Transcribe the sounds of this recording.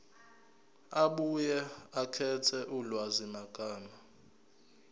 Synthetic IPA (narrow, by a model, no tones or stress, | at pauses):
aɓujɛakʰɛtʰɛʔulwazimaɡ̥ʱaːma